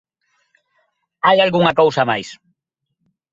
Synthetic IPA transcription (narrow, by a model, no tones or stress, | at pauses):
ajalɣuŋakowsamajs